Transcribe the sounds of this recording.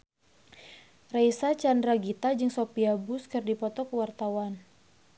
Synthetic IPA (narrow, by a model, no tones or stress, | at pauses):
rajsat͡ʃandɾaɡit̪ad͡ʒɨŋsopiabʊskɨrdipɔt̪ɔkəwart̪awan